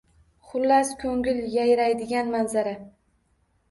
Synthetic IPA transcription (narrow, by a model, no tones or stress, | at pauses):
χʊlːaskʰʲɵŋʲɪljajɾajd̪ɪɡʲanmanzaɾa